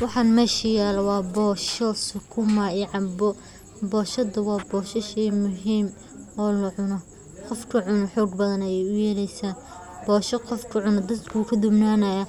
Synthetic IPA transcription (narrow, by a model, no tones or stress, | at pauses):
wɑħɑnmɛːʃɐjaːlwɑːbɔːʃɔsʊkʰʊmɐɪʕɑbɔ | bɔːʃɐd̪ɐwɑːbɔːʃɐʃɛmʊɦiːm | ɔːlɐʕʊnɔ | qɔfkʰɐʕʊnɔħɔːɡbɐðɐnɐjɛjʊjɛlɛjsaːn | bɔːʃɐqɔfkʰʊʕʊnɐd̪ɐd̪kʰuːkʰɐd̪ʊbnaːnɐjɐ